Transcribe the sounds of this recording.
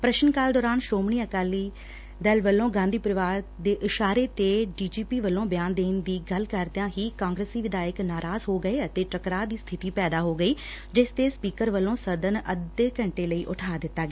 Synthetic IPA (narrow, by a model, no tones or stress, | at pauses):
pɾəʃnkaːld̪ɔːɾaːnʃoːmɳiːəkaːliː | d̪ɛlʋəlːõːɡãːnd̪iːpəɾɪʋaːɾd̪eːʔɪʃaːɾeːt̪eːɖiːd͡ʒiːpiːʋəlːõːbɪjaːnd̪eːnd̪iːɡəlkəɾd̪jãːɦiːkãːŋɡɾesiːʋɪd̪aːjɪknaːɾaːzɦoːɡəeːət̪eːʈɾəkɾaːd̪iːst̪ʰɪt̪iːpɛːd̪aːɦoːɡəiː | d͡ʒɪst̪eːspiːkəɾʋəlːõːsəd̪ənəd̪eːkəɳʈeːləiːʔʊʈʰaːd̪ɪt̪ːaːɡeː